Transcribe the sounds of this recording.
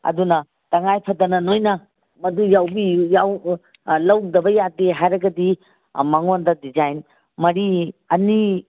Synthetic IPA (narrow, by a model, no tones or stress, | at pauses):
ɐ̰dunɐ | tɐŋajpʰɐdɐnɐnojnɐ | mɐdujawbijaw | lɐwdɐbɐjadeɦajɾɐɡɐdi | mɐŋondɐdid͡ʒajn | mɐɾiɐni